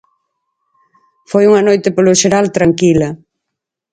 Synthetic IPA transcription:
fojuŋɐnojt̪ɪpolʊʃeɾalt̪ɾaŋkilɐ

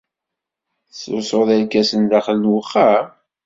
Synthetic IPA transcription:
sʊsoðælkæsənðæχəlnwəχːa

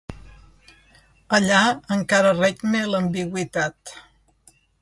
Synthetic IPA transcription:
əʎaəŋkaɾərɛɡmeləmbiɣwit̪at̪

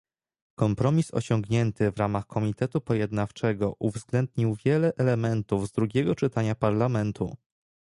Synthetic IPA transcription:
kɔmpɾɔmʲisɔ̰ɕɔŋɡɲɛnt̪ɘvɾamaxkʰɔmʲit̪ɛt̪upɔjɛd̪naft͡ʂɛɡɔʔuvzɡlɛnd̪̚ɲiwvʲjɛlɛʔɛlɛmɛnt̪uvzd̪ɾuɡʲɛɡɔt͡ʂɘt̪aɲapaɾlamɛnt̪ʰu

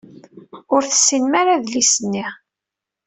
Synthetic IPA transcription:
ʊɾθə̥sːinmaɾaðlisənːi

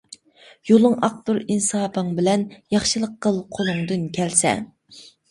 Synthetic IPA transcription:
jolˠɨŋɑq̚t̪uɾinsɑːpʰəŋbɪlɛnjɑχʃɨlˠəqːəlˠqʰolˠʊŋd̪ɨnkʲʰɛlsɛ̰

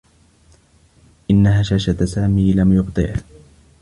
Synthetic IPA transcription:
ʔɪnːaɦaːʃaːʃat̪saːmiːlamjʊbt̪ˤɨ̰ʕ

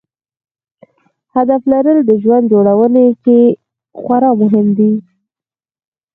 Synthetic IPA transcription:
had̪aflaɾəld̪əʒwand̪̚d͡ʒoɽawəneke | xwaɾɑmʊɦɪmd̪i

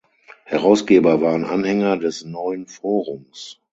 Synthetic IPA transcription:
hɛʁaʊsɡ̥eːbɐvaːʁənʔa̰nhɛŋɐdɛsnɔʏənfoːʁʊms

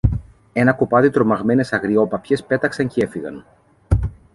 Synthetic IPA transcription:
e̞nɐko̞pɐðit̪ɾo̞mɐɣme̞ne̞sɐɣɾio̞pɐpçe̞spe̞t̪ɐksɐɲcee̞fiɣɐ̰n

